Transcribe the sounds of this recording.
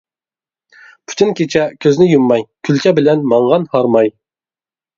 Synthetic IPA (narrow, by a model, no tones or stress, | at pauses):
pʰy̥t̪ʰɪnkʲʰet͡ʃʰɛkʲʰøznɪjumːɑjkʲʰylkʲʰɛbɪlɛnmɑɴʁɑnhɑɾmɑj